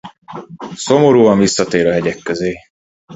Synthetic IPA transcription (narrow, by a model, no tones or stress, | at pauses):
somoɾuːɒɱvisːɒt̪eːɾɒɦɛɟɛkːøzeː